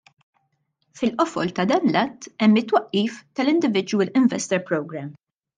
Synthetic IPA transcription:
fɪlʔɔfɔlt̪ɐd̪ɐːnlɐt̪ːɛmːɪt̪ːwɐʔːiːft̪ɐlɪnd̪ɪvɪd͡ʒwəlɪɱvɛst̪ɛɾpɾɔwɡɾɛm

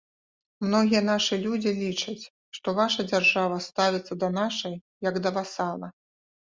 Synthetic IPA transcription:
mnɔɣʲijɐnaʂɨlʲud͡zʲilʲit͡ʂɐt͡sʲ | ʂt̪ɔvaʂɐd͡zʲarʐavɐst̪avʲit̪sːɐd̪ɐnaʂɐj | jɐɡd̪ɐvasalˠɐ

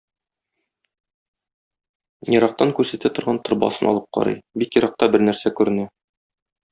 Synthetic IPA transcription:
jɤ̆ɾɑq̚t̪ɑŋkʉɾsæt̪æt̪ŏɾʁɑnt̪ŏɾbɑ̰sɤnʔɒ̰lˠɤp̚qɒ̰ɾɤ̰jbikjɤ̆ɾɑq̚t̪ɑbɘɾnæɾsækʉɾɘ̆nɘ

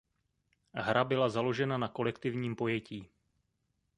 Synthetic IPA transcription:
ɦɾʔabɪlazalo̞ʒɛnanako̞lɛkt̪ɪvɲiːmpo̞jɛciː

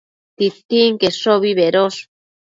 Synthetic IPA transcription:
t̪it̪ːiŋkesoβiβeɾos

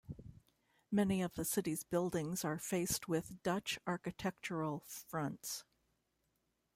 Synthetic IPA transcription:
mɛniʌvðɨsɪɾizbɪlˠdɪ̃ŋzə˞feɪst̚wɪðd̥ʌt͡ʃɑɹkɨtʰɛk̚t͡ʃə˞l̩ˠfɹʌ̃nts

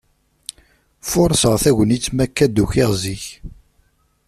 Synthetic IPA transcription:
fʊɾˤsəʁθæʝənit͡sːmækːæd̪uçɪʁziç

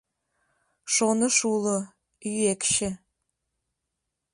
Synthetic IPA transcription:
ʂonɨʂulɨ | jekʃɪ

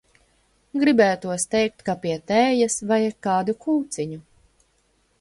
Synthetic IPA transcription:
ɡɾibæːjat̪uɔst̪ɛjk̚t̪kapiɛt̪ɛːjasvajkaːd̪ukuːt̪siɲu

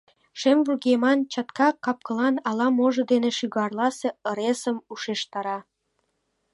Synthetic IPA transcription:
ʃemvuɣemɑnt͡ɕɑt̪kɑkɑp̚kə̆lɑnɑlɑmoʒɤ̆d̪eneʃyɣɑrlɑseə̆ɾesəmuʃeʃt̪ɑɾɑ

